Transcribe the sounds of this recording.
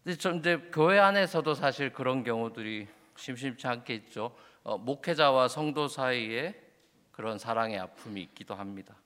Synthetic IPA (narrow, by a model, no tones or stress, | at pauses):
et͡ɕʌind͡ʑe̞kjoɦe̞ane̞sʰʌdosʰaɕʰiɭkɯɾʌnkjʌŋudɯɾi | ɕʰimɕ̬imt͡ɕʰiaŋkʰe̞it̚t͡ɕ͈o | ʌ̰mokʰe̞d͡ʑawasʰʌŋdosʰaie | kɯɾʌnsʰaɾaŋe̞apʰumiik̚k͈idoɦamɲida